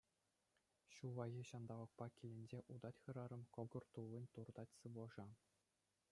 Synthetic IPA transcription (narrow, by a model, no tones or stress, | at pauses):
ɕuʋɑɣʲiɕɑnd̪ɑʋɤ̆k̚pɑkʲilʲĕnʲd͡ʑeʔud̪ɑtʲxɯ̆ɾɑɾɤ̆mkŏɡɤ̆rt̪ulːˠɤ̆nʲt̪urd̪ɑtʲsɯʋɤ̆ʐɑ